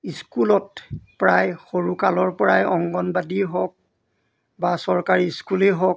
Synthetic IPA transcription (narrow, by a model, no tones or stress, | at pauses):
iskulɔtpɹajxoɹukalɔɹpɔɹajɔŋɡɔnbadiɦɔk̚ | basɔɹkaɹiskuleɦɔk̚